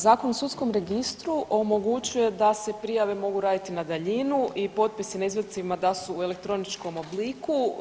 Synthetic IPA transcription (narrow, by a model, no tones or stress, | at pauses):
zaːkonosut̪sko̞mɾe̞ɡist̪ɾuʔo̞mo̞ɡut͡ʃuje̞d̪ase̞pɾijaʋe̞mo̞ɡuɾaːd̪it̪inad̪aʎinuipo̞t̪̚pisinaizʋed̪̚t̪iʋimad̪asuːe̞le̞k̚t̪ɾo̞nit͡ʃko̞mo̞bliku